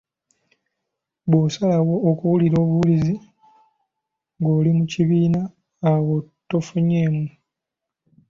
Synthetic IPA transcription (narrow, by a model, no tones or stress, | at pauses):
βwosalawo̞ːkuwuliɾo̞ːβuβulizi | ŋɡo̞ːlimuciβiːnaː | wotːofuɲe̞ːmu